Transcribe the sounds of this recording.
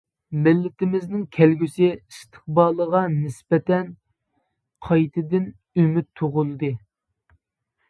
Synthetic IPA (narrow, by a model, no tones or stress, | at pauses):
mɪlːɪt̪ʰɪmɪznɪŋkʲʰælɡʲysɪist̪ʰɨ̥χ̚bɑːlˠəʁɑnɪspɛt̪ʰɛn | qʰɑjt̪ʰɪd̪ɪn | ymyt̪ʰːoʁʊlˠɨd̪ɨ